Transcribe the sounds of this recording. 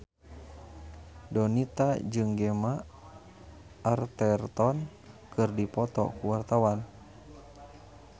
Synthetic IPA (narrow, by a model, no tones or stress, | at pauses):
dɔnit̪ad͡ʒɨŋɡɛma | rt̪ɛrt̪ɔn | kɨrdipɔt̪ɔ̰kuwart̪awan